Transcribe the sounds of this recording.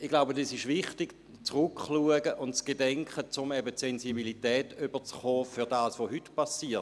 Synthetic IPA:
ɪɡ̥laʊbədɑsɪʃvɪχtɪɡ | t͡srʊkχluəɡəʔʊntt͡sɡ̥edɛŋkχət͡sʊmɛbətsensibilitɛːtyb̥ət͡sχoːfyʁdaːsʋoɦytpasiːɐ

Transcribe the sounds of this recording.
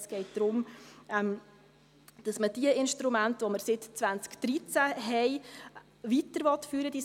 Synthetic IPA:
sɡ̥ɛɪt̚d̥̪ɾʊmɛm | d̥ɑsməd̥iəɪnʃtɾumæntʋoməɾsɪtt͡sʋænt͡skd̪̥ɾit͡sæɦɛɪ | ʋitəɾʋɔt̪fyːɾəd̥i

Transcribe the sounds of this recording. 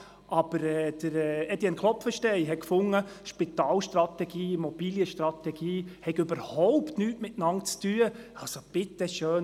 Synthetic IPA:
ʔɑb̥əɾɛːd̪̥əɾɛɛdjɛnkʰlɔpfəʃtɛɪɦɛkfʊŋːəʃpit̪ɑːlʃt̪rɑt̪ɛɡiːmɔb̥iljəʃtɾɑt̪ɛɡ̥iːhɛɡɵbəɾhɔʊptnyːtmɪtnɑnt͡styəɑsob̥ɪt̪ːəʃøːn

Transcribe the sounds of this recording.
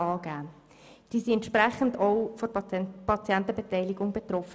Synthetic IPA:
ɑːɡæːn | d̥iːsiɛntʃpɾɛχən̩doʊfɔpʰɑt͡sjɛntəb̥etɛɪliɡʊŋbet̪rɔfə

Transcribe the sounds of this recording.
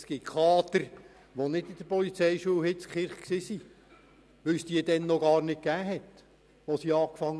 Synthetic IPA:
sɡ̥itkʰɑːt̪əɾ | ʋonɪdɪd̥̪əpɔlit͡sɛɪʃuəɦɪtt͡skχɪɾχksisi | ʋʏlsd̪iːəd̥̪ɛnːɔɡɑːrnɪt̚kæːɦɛt̪ | ʋosiɑːkfɑŋː

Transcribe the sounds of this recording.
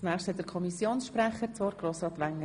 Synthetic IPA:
næːχʃthɛtdəɾkʰɔmisjoːnsʃpɾæχəɾt͡sʋɔːɾɡ̥ɾoːsɾɑːt̪ʋæŋːə

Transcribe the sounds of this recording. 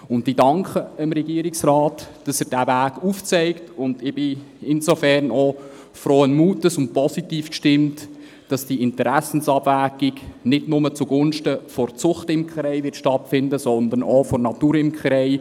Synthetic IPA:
ʊntdidɑŋkχəəmɾɛɡ̥iːəɾɪksɾɑːtd̥ɑsəɾd̥æːvæːɡ̥uft͡sɛɪktʊndɪb̥ɪ | ɪnsofɛɾnɔ | fɾoːənmuːtəsʊnt̚pʰɔsitiːfkʃtɪmt | d̥ɑsd̥iɪntəɾæsn̩sɑb̥væːɡiɡnɪdnʊmət͡suɡʊnʃtəfɔrt͡sʊχtɪmkχɾɛɪʋɪɾtʃtɑtfɪndəsɔnd̪ənɔfɔrnɑtuːɾɪmkχɾɛɪ

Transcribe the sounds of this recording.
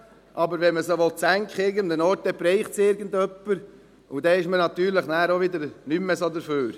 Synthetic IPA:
ʔɑbəɾʋɛnməsoʋɔlt͡sæŋkχɪɾɡənmd̪ənɔɾtdɛpɾɛɪχtsɪːɾɡən̩d̪œpːəɾ | ud̪ɛɪʃmənɑt̪yːɾləχnæːɾoʋɪd̪əɾnymːəsod̪əɾføːɾ

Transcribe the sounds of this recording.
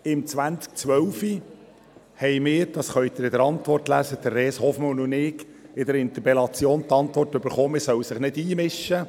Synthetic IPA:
ɪmt͡sʋænt͡sk̚t͡sʋœwfi | hɛɪmɪːɾd̥ɑsχœɥt̪ɪɾɪd̪əɾɑntʋɔrtlæ̰səd̥̪əɾːeːshɔfmɑnʊnɪːɡ | ɪdəɾɪnt̪əpɛlɑt͡sjoːnt̪ɑntʋɔrtʏbəɾχoːmɪɾsœwsɪχnɪdiːmɪʃə

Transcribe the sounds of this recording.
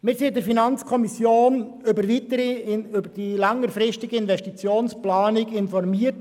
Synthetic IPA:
mɪːɾsidəɾfinɑnt͡skʰɔmisjoːn | ʏbəɾʋit̪əɾiʏbəd̥ilɑŋːəɾfɾɪstɪɡiɪnvɛstit͡sjoːnsplɑːnɪkɪnfɔrmiət

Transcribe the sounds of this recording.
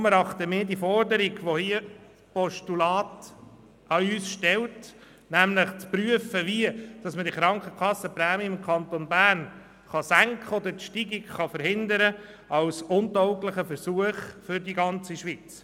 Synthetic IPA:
mɛɾɑχt̪əmɪːɾdiəfɔɾdəɾiɡʋohiə | pɔʃtulɑːt | ʔɑyːsʃtɛlt | næmləχt͡spɾyəfəʋiəd̥ɑsmədiχɾɑŋkəkχɑsːəpɾæːmiɪmkʰɑntonbæːrn | χɑsæŋkχəɔd̪əɾtʃtiɡɪɡχɑfəɾhɪnd̪əɾə | ʔɑlsʊntɔʊkləχəfəɾsuəχfʏɾdiɡɑnt͡siʃʋit͡s

